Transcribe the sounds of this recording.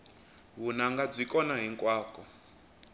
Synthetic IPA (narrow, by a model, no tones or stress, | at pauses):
βunaŋɡab͡ʐʷikɔnaɦiŋkʼwaːkɔ